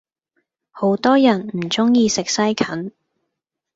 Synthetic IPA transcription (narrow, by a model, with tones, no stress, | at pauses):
ho˨˥wt̪ɔː˥jɐ˨˩nm̩˨˩t͡sʊ˥ŋjiː˧sɪ˨k̚sɐ˥jkʰɐ˨˥n